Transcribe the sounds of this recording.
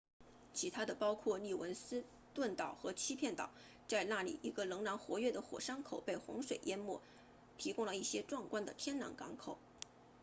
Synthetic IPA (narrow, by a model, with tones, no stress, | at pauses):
t͡ɕʰi˧˥t̪ʰa˥d̪ə˨pɑ˥ʊkʰwɔ˥˧ni˥˩wə˧˥nsɹ̩˥ | t̪wə˥˩nt̪ɑ˨˩ʊxɤ˧˥t͡ɕʰi˥pʰjɛ˥˩nt̪ɑ̰˨˩˦ʊ | t͡sa˥˧ɪna˥˩lḭ˨˩ʔi˧˥ɡə˧lɤ˧˥ŋla˧˥nxwɔ˧˥ɥɛ˥˩d̪ə˩xwɔ̰˨˩ʂɑ˥ŋkʰo˨˩ʊpe˥˩ɪxʊ̰˧˥ŋʂwe˨˩ɪjɛ˥nmwɔ˥˩ | t̪ʰi˧˥kʊ˥ŋlə˨i˥˩ɕjɛ˥ʈ͡ʂwɑ˥˩ŋkwa˥nd̪ə˨t̪ʰjɛ˥nlɑ̰˧˥ŋkɑ̰˧˥ŋkʰo˨˩˦ʊ